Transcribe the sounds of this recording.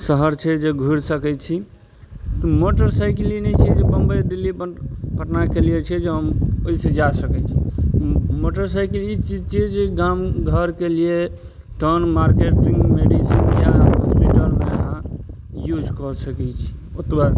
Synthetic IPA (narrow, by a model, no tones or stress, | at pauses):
səɦəɾt͡ʃʰɛd͡ʒeɡʱuɾsəkɛt͡ʃʰi | t̪ɔmoʈəɾsaɪkilinɛt͡ʃʰɛd͡ʒebəmbəd̪ilːippəʈnakelijet͡ʃʰɛd͡ʒeɦəmoised͡ʒasəkɛt͡ʃʰi | moʈəɾsajkilit͡ʃid͡ʒt͡ʃʰid͡ʒeɡamɡʱəɾkelie | ʈəɾnmaɾkeʈĩŋɡmeɖisinjaɦɔspiʈəlmḛɦã | jud͡ʒkɔsəkɛt͡ʃʰi̥ | ot̪ba